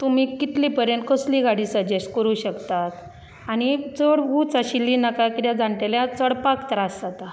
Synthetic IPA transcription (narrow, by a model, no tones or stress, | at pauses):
t̪um̤iːkit̪lipəɾjeɳʈ̪̚kəsliːɡaɽiːsəd͡ʑesʈkəɾuːɕəkt̪at̪ | añit͡səɽɡut͡saɕilːiːnakakit̪jãd͡zãɳʈ̪eljãt͡səɽpakt̪əɾasat̪a